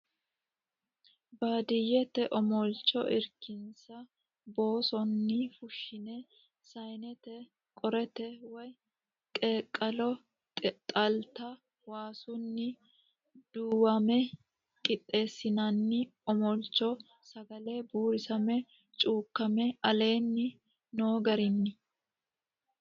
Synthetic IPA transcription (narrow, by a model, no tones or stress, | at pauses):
baːd̪ɪjɛt̪ɛʔɔmɔlt͡ʃːɔʔɪɾkɪnsɐ | bo̞ːsɔnːɪfʊʃːɪnɛ | sɐjnɛt̪ɛ | kʼɔɾɛt̪ɛwɔj | kʼeːkʼːɐlɔ | t̪ʼɐlt̪ɐ | waːsʊnːɪ | d̪̥uːwɐmɛ | kʼɪt̪ʼːe̞ːsːɪnɐnːɪɔmɔlt͡ʃːɔ | sɐɡɐlebuːɾɪsɐmɛ | t͡ʃʼuːkːɐmɛɐle̞ːnːɪ | noːɡɐɾɪnːɪ